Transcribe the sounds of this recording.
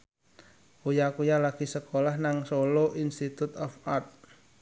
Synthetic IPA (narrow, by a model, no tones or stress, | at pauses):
ujakujalaɡ̥i̤səkolahnaŋsoloʔinst̪it̪ut̪ɔfart̪̚